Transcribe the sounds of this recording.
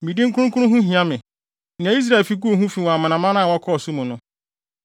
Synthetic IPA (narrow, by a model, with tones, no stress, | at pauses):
mĩ˨dĩ˦ŋ̩˦kʰʊ˦ʊ̃˦kʰʊ˦ɾʊ̃˦ɦũ˦ɦĩ˨ã˦mɪ̃˨ | n˨ã˨i˦s̬ɾa˦˨lfi˦ku˦o˨ɦũ˦fi˨wɔ̃˨a˨mã˨nã˨mã˦nã˦˨wɔ˦kʰɔ˦˨su˦mũ˨nʊ̃˦